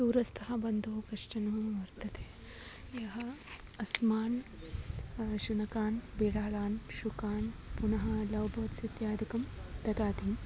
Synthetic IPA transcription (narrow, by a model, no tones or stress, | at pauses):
d̪uːɾɐst̪ʰɐɦɐbɐnd̪ʱoːkɐʂʈɐnoːʋɐɾt̪ɐt̪ʰeː | jɐɦɐ | ɐsmaːn | ʃunɐkaːnbiɽaːlaːnʃukaːnpunɐɦɐ̆lɐwbɐt̪sit̪jaːd̪ikɐmt̪ɐt̪aːt̪i